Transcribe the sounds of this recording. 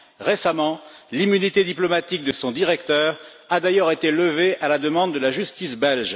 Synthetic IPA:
ʁesamɑ̃limynit̪ed̪iplɔmat̪ik̚d̪əsɔ̃d̪iʁɛkt̪œʁ | ad̪ajœʁet̪eləveʔalad̪əmɑ̃d̪ːəlaʒyst̪isbɛlʒ

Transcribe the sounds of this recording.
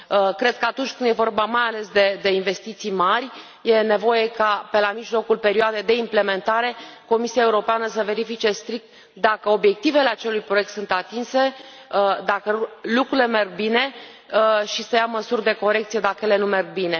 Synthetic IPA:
əkɾe̞d̪̚kəat̪unt͡ʃʲkɨnd̪je̞vo̞rbamajale̞sd̪e̞d̪e̞inve̞st̪it̪sijmarʲ | je̞ne̞vo̞je̞kape̞lamiʒlo̞kulpe̞ɾioad̪ejd̪e̞imple̞me̞nt̪aɾe̞ko̞misijaeuɾo̞peanəs̬əve̞ɾifit͡ʃe̞st̪ɾik̚t̪ | d̪akəo̞bje̞k̚t̪ive̞le̞at͡ʃe̞lujpɾoje̞k̚t̪sunt̪at̪inse̞ | d̪akəlukɾuile̞me̞rɡ̚bine̞ | ʃisəjaməsurʲd̪e̞ko̞ɾe̞k̚t̪sije̞d̪akəjele̞nume̞rɡ̚bine̞

